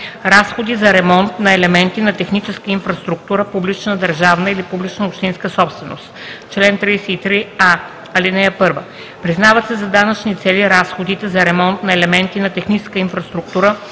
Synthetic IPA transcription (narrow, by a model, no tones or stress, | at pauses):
ɾasxod̪izɐɾɛmɔnt̪nɐɛlɛmɛnt̪inɐt̪ɛxnit͡ʃɛskəinfɾɐst̪ɾuk̚t̪uɾəpublit͡ʃnəd̪ɐɾʒavnəilipublit͡ʃnəopʃt̪inskəsɔpst̪vɛno̰st̪ | t͡ʃlɛnt̪ɾijsɛit̪ɾia | ɐlinɛjəpɤɾvə | pɾiznavət̪sɛzɐd̪anɐt͡ʃnit̪sɛliɾasxod̪it̪ɛzɐɾɛmɔnt̪nɐɛlɛmɛnt̪inɐt̪ɛxnit͡ʃɛ̥skəinfɾɐst̪ɾuk̚t̪uɾə